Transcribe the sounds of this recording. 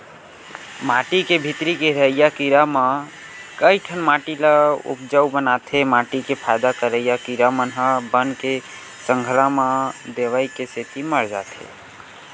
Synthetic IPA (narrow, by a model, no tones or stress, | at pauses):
maʈikebʱit̪ɾikeɾəijakiɾamã | kəɪʈʰənmaʈiləṵp̚d͡ʒəwbənat̪ʰemaʈikepʰajd̪akəɾəjakiɾamənɦə̃bənke | səŋɡʱlamad̪eʋajkeset̪iməɾd͡ʒa̰t̪ʰḛ